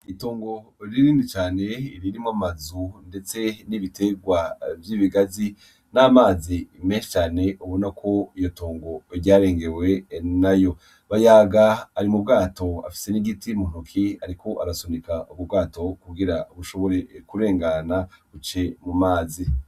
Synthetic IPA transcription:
itoːŋɡo̞ɾiɾiːndit͡ʃaːne̞ḭɾiɾimamazunde̞t͡se̞niβitʰe̞ɡwavjiːβiɡazi | namaːzime̞ːnʃe̥t͡ʃaːne̞uβo̞nakʰo̞ijo̞toːŋɡo̞ɾɟaːɾe̞ːŋɡe̞we̞najo̞ | βajaːɡaːɾimub̚ɡaːto̞a̰fi̥se̞niɡitimun̥ukʰiaɾiko̞ʔa̰ɾasonikauβub̚ɡaːto̞kuɡiɾauβuʃo̞βo̞ɾe̞kuɾe̞ːŋɡanaut͡ʃe̞mumaːzi

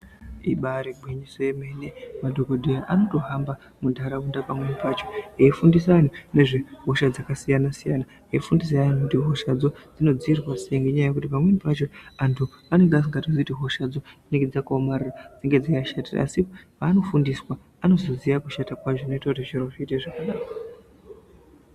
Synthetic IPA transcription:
iɓaɾebʱwiɲisojeme̞nemadʱokodʱejaʔano̞to̞ɦamba | mudʱaɾaundapamwe̞nipat͡ʃo̞̥aifundis̬an̤une̞ʐeɦo̞ʃad͡zakasijanasijana | aifundis̬aan̤ukutiɦo̞ʃad͡zo̞d͡zino̞d͡ziirwaseŋɡeɲajajekutipamwenipat͡ʃo̞antʰu | ane̞ŋɡeas̬iŋɡatozitiɦo̞ʃad͡zoineŋɡed͡zakuomarirad͡ziŋɡe̞d͡zakaʃataa̰sipaːno̞fundiswa | ano̞zo̞zijakuʃatakwat͡ʃoino̞itautiʃiroʐiiteʐakaɗaːkwa

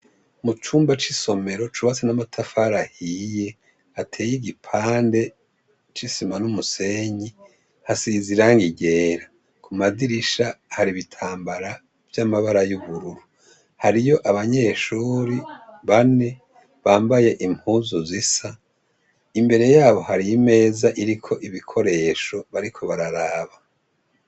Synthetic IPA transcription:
mut͡ʃuːmbat͡ʃiso̞me̞ɾo̞t͡ʃuβat͡senamatʰafaɾahije̞ | hatʰe̞ːjiɡipʰaːnde̞ | t͡ʃisimanumuse̞ɲi | hasiziɾaːŋɡiɟe̞ːɾa | kʰumadiɾiʃahaɾiβitʰaːmbaɾa | v̥jamaβaɾajuβuɾuɾu | haɾijo̞ʔaβaɲe̞ːʃuːɾiβane̞ | βaːmbaje̞ʔim̥huːzuzisa | imbe̞ɾe̞jaːβo̞haɾime̞ːzaʔiɾikʰo̞ʔiβikʰo̞ɾe̞ːʃo̞βaɾikʰo̞βaɾaɾaːβa

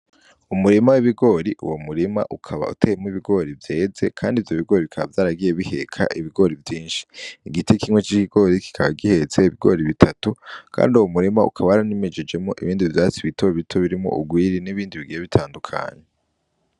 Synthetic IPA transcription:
umuɾimawiβiɡo̞ːɾiʔṵwomuɾima̰ʔukʰaβa̰utʰeemuiβiɡo̞ːɾivje̞ːze̞kʰaːndivjo̞βiɡo̞ːɾikʰaβa̰vjaːɾaɡije̞βihe̞̰kʰa̰ʔiβiɡo̞ɾivjiːnʃi̥ːɡitʰekʰimŋwe̞t͡ʃikiɡ̥o̞ːɾiki̥kʰaβa̰ɡihe̞t͡seiβiɡo̞̰ːɾiβitʰatukʰa̰ːndiuwomuɾimaṵkʰaβawaɾanimed͡ʒed͡ʒe̞moʔḭβiːndivjaːt͡siβitʰo̞βitʰo̞βiɾimo̰ṵɡwiːɾiniβiːndiβiɡijeβitʰaːndukʰa̰ɲe

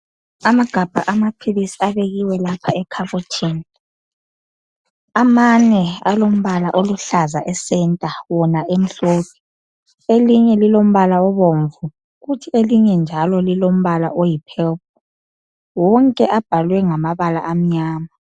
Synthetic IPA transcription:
amaɡ̥ʱab̥ʱa̰ʔamapʰiβisiaβeɣiwɛlapʰaɛkʰaβutʰini | amanɛalom̩βalaʔoluɬazaʔɛsɛntʼawɔnaʔem̩ɬoːpʰi̥ | eliɲɛlilom̩βalaɔβoɱvu | ɣutʰieliɲɛnd͡ʒʱalɔlilom̩βala̰ʔojipʰɛlp̚ʰu | wɔŋkʼɛʔab̥ʱalwɛŋamaβala̰ʔam̩ɲaːma

